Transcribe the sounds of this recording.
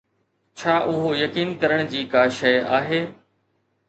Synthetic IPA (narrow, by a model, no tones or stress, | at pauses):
t͡ɕʰaːʔʊɦojɐkiːnkɐɾəɽ̃d͡ʑiːkaːʃɐjaːɦeː